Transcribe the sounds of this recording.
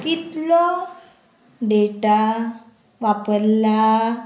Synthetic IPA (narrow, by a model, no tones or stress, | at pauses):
kit̪lɔ | ɖeʈa | ʋapəɾla